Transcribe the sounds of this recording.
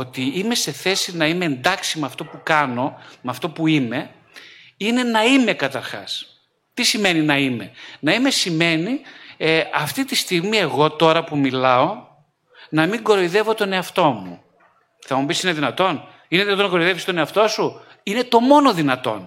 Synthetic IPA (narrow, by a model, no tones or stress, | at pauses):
ot̪iime̞se̞θe̞sinɐime̞ːnd̪ɐksimɐft̪o̞pukɐno̞mɐft̪o̞puime̞ | ine̞nɐime̞kɐt̪ɐɾxɐ̰s | t̪isime̞ninɐime̞̰nɐime̞sime̞ni | ɐft̪it̪ist̪iɣmie̞ɣo̞t̪o̞ɾɐpumilɐo̞ | nɐmiŋɡo̞ɾoiðe̞vo̞t̪o̞ne̞ɐft̪o̞mṵ | θɐmubisineðinɐt̪o̞n | ineðinɐt̪onɐɡooiðeist̪o̞ne̞ɐft̪o̞su | ine̞t̪o̞mo̞no̞ðinɐt̪o̞̰n